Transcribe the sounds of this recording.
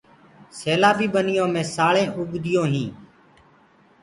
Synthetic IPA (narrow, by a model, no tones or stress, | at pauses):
seːlaːbiːbənɪjõːmẽːsaːɭẽːʔʊɡd̪ɪjõːɦĩː